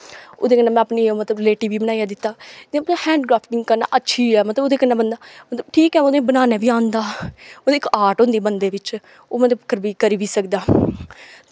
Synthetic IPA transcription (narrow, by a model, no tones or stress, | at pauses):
o̰ːd̪eːkənaːmɛ̃ːəpniːoːmət̪ləbleːʈiːʋiːbənaːijaːd̪ɪt̪ːaːd̪ẽːmət̪əhɛ̃ːɳɖɡɾaːpʰʈɪ̃ŋɡkəɾna̰ːʔətːʃʰiːɛːmət̪ləboːd̪eːkənaːbənd̪aːmət̪ləbʈʰiːkɛːoːd̪ẽːbənaːneːʋiːãːnd̪aːoːd̪eːɪkaːʈõnd̪iːbənd̪eːʋɪt͡ʃ | oːmət̪ləbkːəɾbiːkəɾiːʋiːsəkd̪aː